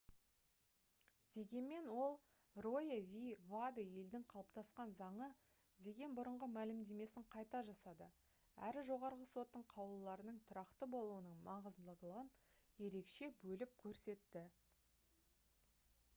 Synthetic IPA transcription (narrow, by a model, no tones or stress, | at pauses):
d̪̥e̞ɡʲe̞nme̞nwo̞lˠ | rojevʲivad̪je̞ld̪ɪŋqʰɑlˠəp̚t̪ɑsqɑnzɑɴə | d̪e̞ɡʲe̞nbʊɾəɴʁəmælɪmd̪e̞me̞sɪɴqʰɑjt̪ɑʒɑsɑd̪ə | æ̰ɾɪʒo̞ʁɑɾʁəso̞t̪ːəɴqʰɑwlˠəlːˠɑɾənəɴt̪ʰʊɾɑqt̪əbo̞lˠuənəɴmɑʁəzd̪əlˠəlˠəʁənje̞ɾe̞kʃe̞bɵlɪp̚kʲʰɵɾse̞t̪ːɪ